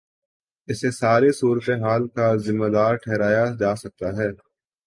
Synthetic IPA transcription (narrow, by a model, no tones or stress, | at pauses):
ɪsesaːɾesuːɾət̪eɦaːlkazɪmːad̪aːɾʈʰɛːɾaːjad͡ʒaːsɐk̚t̪aɦɛː